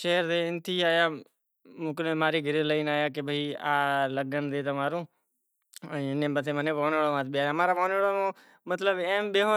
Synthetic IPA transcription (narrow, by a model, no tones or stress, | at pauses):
ʃeːɾd̪eːɪnt̪ʰiːaːjaː | mʊ̃ːk̬lẽːmaːɾiːɡʱəɾeːləiːnaːjaːk̬ebʱəiːaːləɡənd̪eːt̪omaːɾõː | əɪnẽːbət̪ʰeːmənẽːʋoːneːɽoːʋãːt̪̚bɪaːjamãːɾaːʋoːnəːɭoːõː | mət̪ləbẽːmɓeːɦo